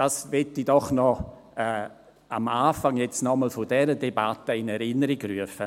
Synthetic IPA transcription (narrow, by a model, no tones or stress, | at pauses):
d̥asvɛtːidɔχnɔ | ɛː | amaːfaŋjɛt͡snɔməlfodɛɾədebatəɪnɛɾɪnəɾiɡryəfə